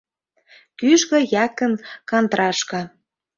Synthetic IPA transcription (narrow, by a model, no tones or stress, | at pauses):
kyʃɣɤ̆jɑkə̆nkɑnt̪ɾɑʃkɑ̆